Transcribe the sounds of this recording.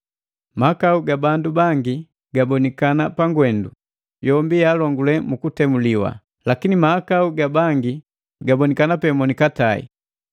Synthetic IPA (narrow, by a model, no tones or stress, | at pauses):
makauɡabandubaŋɡi | ɡabɔnikanapaŋɡwɛndu | jɔmbijalɔŋɡulɛmukutɛmuliwa̰ | lakinimaːkauɡabaŋɡi | ɡabɔnikanapɛmɔnikataḭ